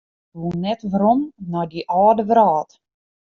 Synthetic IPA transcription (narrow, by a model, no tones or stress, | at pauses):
ʋunɛtʋɾɔmnɔjdiʔaːdəʋɾaːt